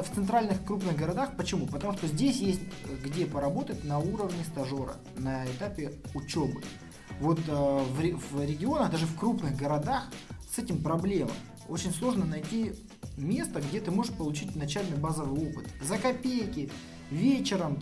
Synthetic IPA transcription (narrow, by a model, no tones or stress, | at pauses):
ft̪sɨnt̪ɾalʲnɨxkɾupnɨɣɡəɾɐd̪axpət͡ɕɪmupət̪ɐmuʂt̪o̞zʲdʲesʲjesʲtʲɡdʲepəɾɐbo̞t̪ət̚ʲnɐuɾəvnʲɪst̪ɐʐo̞ɾə̰ | nɐɪt̪apʲɪʊt͡ɕobɨ̰ | vo̞t̪vʲvɾʲɪɡʲɪo̞nəɣd̪aʐɨfkɾupnɨxɡəɾɐd̪axsɛtʲɪmpɾɐblʲe̞mə̰m | o̞t͡ɕɪnʲslˠo̞ʐnənɐjtʲi | mʲe̞st̪əɡdʲe̞t̪ɨmo̞ʐɨʂpəlˠʊt͡ɕitʲnɐt͡ɕælʲnɨjbazəvɨjo̞pɨt̪zəkɐpʲejkʲɪ | vʲet͡ɕɪɾəm